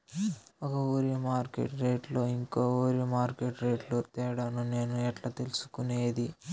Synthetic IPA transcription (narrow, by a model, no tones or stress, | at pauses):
ɔkɐuːɾimaːɾkḛʈɾe̞ːʈloːiŋkoːuːɾimaːɾkeʈɾe̞ːʈlot̪ɛːɐɽɐnune̞ːnuɛʈlɐt̪elusu̥kuneːd̪i